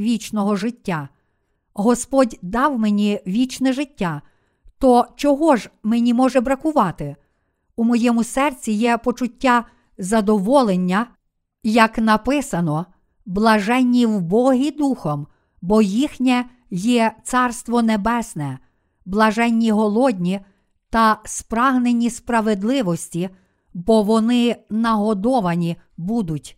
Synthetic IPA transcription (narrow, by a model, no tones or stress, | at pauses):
ʋʲit͡ʃnɔɦɔʒɪtʲːa | ɦɔspɔdʲd̪ɑwmenʲiʋʲit͡ʃnɛʒɪtʲːa | t̪ɔt͡ʃɔɦɔʒmenʲimɔʒɛbɾɐkʊʋɑt̪ɪ | umɔjɛmʊsɛrt͡sʲijɛpɔt͡ʃʊtʲːa | zɐd̪ɔʋɔlˠenʲːɐ | jɐknɐpɪsɐnɔ | blˠɐʒɛnʲːiwbɔɦid̪uxɔm | bɔjixnʲɛ | jɛt̪sɑrst̪ʋɔnebɛsnɛ | blˠɐʒɛnʲːiɦɔlˠɔdʲnʲi | t̪ɐspɾɑɦnenʲːispɾɐʋed̪lˠɪʋɔsʲtʲi | bɔʋɔnɪnɐɦɔd̪ɔʋɐnʲibud̪ʊtʲ